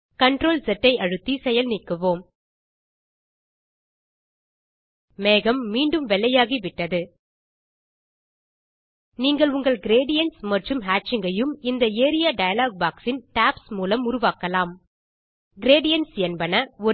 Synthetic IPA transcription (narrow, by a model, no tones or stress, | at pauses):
kɐɳɖɾoːlsɛʈːɐɪʔɐɻɯt̪ːisɛjɐlnɪkːɯʋoːm | meːɣɐmːiːɳɖɯmʋɛlːɐjaːɣiʋɪʈːɐðɯ | niːŋɡɐɭʊŋɡɐɭɡɪɾeːɖɪjɐnʈsmɐʈrɯmɦaːt͡ʃɪŋɡɐjɯmɪnd̪ɐeːɾɪjaːɖɐjɐlaːɡ̚baːksɪnʈaːpsmuːlɐmʊɾʊʋaːkɐlaːm | ɡɪɾeːɖɪjɐnsjɛnbɐnɐɔ